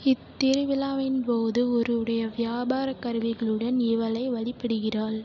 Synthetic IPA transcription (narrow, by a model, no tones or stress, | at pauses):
ɪt̪ːɪɾɯʋɪlaːʋɪnpoːðɯɔɾɯɽɐjɐʋɪjaːbaːɾɐkːɐɾɯʋɪɣɐɭɯɽɐnɪʋɐlɐɪʋɐɭɪpːɪɽɯɣɪraːɭ